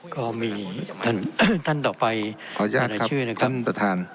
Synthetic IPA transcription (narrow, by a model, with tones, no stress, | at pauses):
kɔː˥˩miː˧t̪ʰa˥˩nt̪ʰa˥˩nt̪ɔː˨˩pa˧jkʰɔː˩˦jaː˥˩kɾakʰːa˦˥t͡ɕʰɯː˥˩na˦˥˩kʰa˦˥˩npɾa˧t̪ʰaː˧n